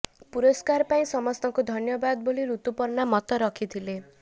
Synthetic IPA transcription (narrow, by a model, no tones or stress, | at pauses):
puɾɔskaɾpaĩsɔmɔst̪ɔŋkud̪ʱɔnjɔbad̪ɔboliɾut̪upɔɾnamɔt̪ɔɾɔkʰit̪ʰile